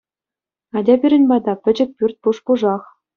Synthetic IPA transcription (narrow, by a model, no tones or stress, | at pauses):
ɑdʲɑbʲiɾʲɘ̆nʲbɑd̪ɑpʲɘ̆d͡ʑɘ̆k̚ʲpʲyrʲt̚ʲpuʂpuʐɑχ